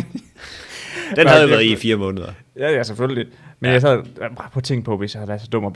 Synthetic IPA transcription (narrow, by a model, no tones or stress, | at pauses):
d̥enhæðˠjoʋæɐðˠifiːɐmɔ̽ːnəð̞ˠɐ | jæjæseføllimenjɑ̈sæð̰ˠbapʰɒ̽t͡sʰe̝ŋ̰pʰɒ̽ʋe̝sjɑ̈hælæsəd̥ɔ̽mɒb̥